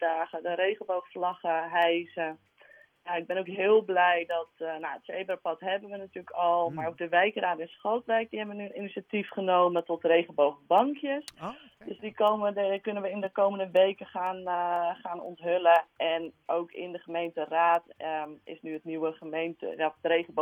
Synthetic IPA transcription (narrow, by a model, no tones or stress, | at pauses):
daːχədərejɣənbowxəflɑχəɦɛjzə | jaɪɡ̚bɛnowkɦɪːlˠblɛjdɔtnaətseːbrəpɔtɦɛbənʋənatyːləkɔlˠmarok̚dəʋɛjkəraːtɛnsχoltʋɛjk̚dihɛmʋənyəninisatifχənoːmətɔtreːχənbowχəbɑŋkjəs | d̥øsdikomkønənʋəɪndəkowməndəʋejkəχaːnχaːnɔ̰ntɦøləɛnowkɪ̰ndəχəmejntəraːtɪ̰snyətniwəχəmejntə̰jarejɣəbo